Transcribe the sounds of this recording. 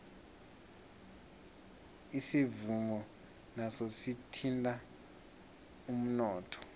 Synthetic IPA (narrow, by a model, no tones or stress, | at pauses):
isivuŋɔ | nasositʰintʼa | um̩nɔːtʰɔ̥